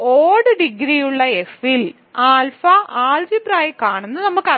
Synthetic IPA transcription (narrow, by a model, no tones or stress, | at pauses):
oːɖɨɖiɡɾijuɭːɐe̞fil | aːlfɐʔaːld͡ʑipraːjkːaːɳunːɐnɐmːukːɐ